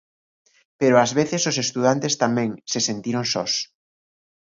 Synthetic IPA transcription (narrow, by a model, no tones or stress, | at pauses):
peɾoazβeθesosest̪uð̞ant̪est̪amɛ̃ŋsesent̪iɾoŋsɔs